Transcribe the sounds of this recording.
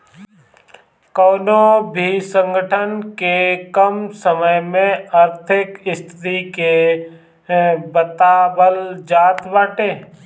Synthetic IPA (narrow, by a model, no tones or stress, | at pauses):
kɔːnobʱisə̃ŋɡəʈʰənkekəmsəməjmẽəɾt̪ʰɪkɪst̪ʰɾike | bət̪aːbəld͡ʒaːt̪ʋaːʈeː